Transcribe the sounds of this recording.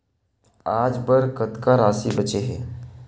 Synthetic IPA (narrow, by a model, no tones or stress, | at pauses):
aːd͡ʒbəɾkɐt̪kaɾaːsibɐt͡ʃeɦɛː